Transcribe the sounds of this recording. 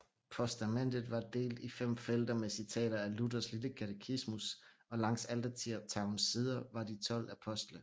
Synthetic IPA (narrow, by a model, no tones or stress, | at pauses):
pʰɒsd̥æmen̰d̥ð̩ˠʋɑ̈d̥e̝̰ːld̥ifem̰fel̰d̥ɐmesit͡sʰɛ̰ːɾ̥ɐæludɐsliləkʰæt͡sʰekʰismusʔɒ̽lɑ̈ŋ̰sæld̥ɐt͡sʰiɐ̰̥t͡sʰɑ̈ʊn̩siːð̞ˠɐʋɑ̈d̥it͡sʰɒ̽l̰æpʰɒ̽sd̥lə